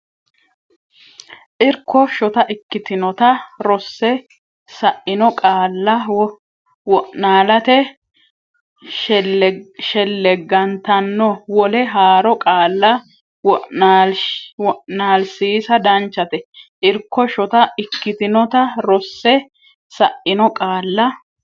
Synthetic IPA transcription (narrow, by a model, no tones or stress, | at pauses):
ʔɪɾkːɔʃɔt̪ɐʔɪkːɪt̪ɪnɔt̪ɐɾɔsːɛ | sɐʔɪnɔkʼaːlːɐ | wɔʔnaːlɐt̪ɛ | ʃɛlːɛɡːɐnt̪ɐnːɔwɔlɛɦaːɾɔkʼaːlːɐ | wɔʔalwɔʔnaːlsiːsɐd̪ɐnt͡ʃːɐt̪ɛʔɪɾkːɔʃɔt̪ɐɪkːɪt̪ɪnɔt̪ɐɾɔsːɛ | sɐʔɪnɔkʼaːlːɐ